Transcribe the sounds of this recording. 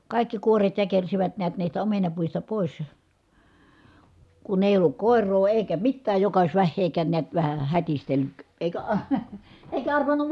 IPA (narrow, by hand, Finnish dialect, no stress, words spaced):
kɑˑi̯kːi kuoret jækersiʋæt niæt niːstæ omenɑpuistɑ poˑis kun eˑi olːuk koˑerˑoː eˑi̯kæ mitːæːj jokɑ ois ʋæhːeːkæːn neæt ʋæhæ hætistelːyk eˑikæ ɑ eˑikæ ɑrʋɑnːuʋ